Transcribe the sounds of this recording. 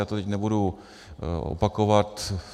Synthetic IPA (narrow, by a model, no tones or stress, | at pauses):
aːt̪ot̪ɛcnɛbudu | o̰pakovat̪